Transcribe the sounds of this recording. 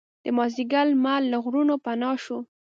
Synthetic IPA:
d̪̥əmɑziɡalmalːaɣɾunopanɑʃo

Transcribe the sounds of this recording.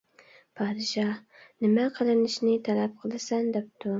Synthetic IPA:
pʰɑd̪ɪʃɑhnɪmaqʰɨlˠɪnɪʃnɪt̪ʰalap̚qʰəlˠɪsand̪ep̚t̪ʊ

